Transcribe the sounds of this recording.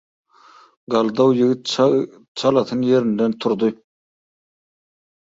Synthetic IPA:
ɡɑlˠd̪ɑwjiɡɪt̪̚ | t͡ʃʰɑlˠɑt̪ʰɯnjeɾind̪ɛnt̪ʰʊɾd̪ɯ

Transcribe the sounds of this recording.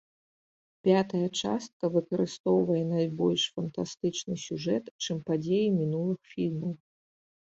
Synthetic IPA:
pʲat̪ɐjɐt͡ʂa̰st̪̚kɐvɨkɐɾɨst̪ɔwvɐjɛnajbɔlʲʂfɐnt̪ast̪ɨt͡ʂnɨsʲuʐɛt̪t͡ʂɨmpad͡zʲejimʲinulˠɨxfʲilʲmɐw

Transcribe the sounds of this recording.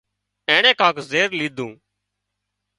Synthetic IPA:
ẽːɳẽːkãːkzeːɾliːd̪ʱũː

